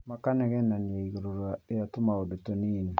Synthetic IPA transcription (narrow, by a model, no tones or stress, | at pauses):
makanɛɡɛnanieiɡɾoɾaejatʊmaodotonin